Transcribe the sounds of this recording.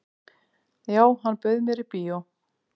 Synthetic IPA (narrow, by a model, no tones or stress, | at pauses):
jaːwhanːpœðmɛɾipiːo